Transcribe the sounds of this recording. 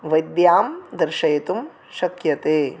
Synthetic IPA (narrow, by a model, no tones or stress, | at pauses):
ʋɐjd̪jaːmd̪ɐɾʃɐjet̪um | ʃɐkjɐt̪eː